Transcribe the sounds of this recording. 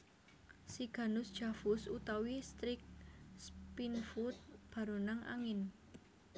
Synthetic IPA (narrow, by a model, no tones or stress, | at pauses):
siɡ̥a̤nʊsd̥ʒ̥a̤fʊsut̪awist̪ɾɪk̚spinfut̪̚b̥a̤ɾunaŋʔa̰ŋɪn